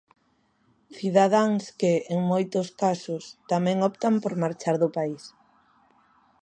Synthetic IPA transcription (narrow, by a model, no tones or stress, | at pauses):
θiðaðaŋskɪːŋmojt̪ʊskasʊst̪amɛ̃ŋɔpt̪ampoɾmaɾt͡ʃaɾðʊpais